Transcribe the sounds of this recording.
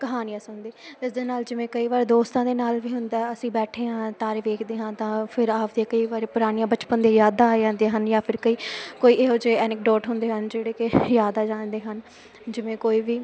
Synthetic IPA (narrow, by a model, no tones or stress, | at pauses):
kəɦaːnɪjãːsənd̪eːt̪ɪsd̪eːnaːld͡ʒɪʋẽːkəiːʋaːɾeːd̪oːst̪ãːd̪eːnaːlʋiːɦʊnd̪aːɛəsĩːbɛːʈʰeːɦãːt̪aːɾeːʋeːkʰd̪eːɦãːt̪ãːpʰɪɾaːpd̪eaːkəiːʋaːɾeːpʊɾaːnijãːbət͡ʃpənd̪ẽːjaːd̪aːd͡ʒãːnd̪eːɦənjãːpʰɪɾkəiːkoːiːeːɦʊd͡ʒeːɛːnɪk̚ɖɔːʈɦʊnd̪eːɦənd͡ʒeːɽeːkɪjaːd̪aːd͡ʒãːnd̪eːɦən | d͡ʒɪʋẽːkoːiːʋiː